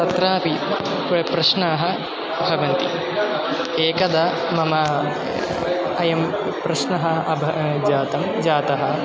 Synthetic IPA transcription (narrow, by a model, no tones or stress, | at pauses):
t̪ɐt̪ɾaːpi | ppɾɐʃnaːɦɐ̆ | bʱɐʋɐnt̪ḭ | eːkɐd̪ɐ | mɐmɐ | ɐjɐm | pɾɐʃnɐɦɐɐbʱɐd͡ʒaːt̪ɐmd͡ʒaːt̪ɐɦɐ